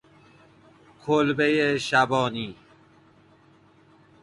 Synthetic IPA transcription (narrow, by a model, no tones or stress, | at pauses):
kʰolbejeɕabɔːniː